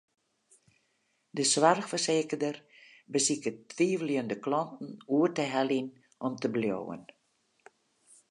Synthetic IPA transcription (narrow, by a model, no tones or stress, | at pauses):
dəsʋarxfərseːkədərbəsikətʋiːvəljəndəklɔntn̩uərtəɦɛlin | ʔɔmtəbljo̰ːwə̰n